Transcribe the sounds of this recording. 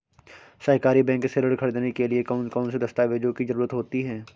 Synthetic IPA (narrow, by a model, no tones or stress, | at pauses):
sɐɦkaːɾibɛ̃ːŋkseːləɽkʰɐɽed̪eːnekeliekːnkɔːnsed̪ɐst̪aːʋeːd͡ʒõkizɐɾuːɾət̪ɦoːt̪iɦɛː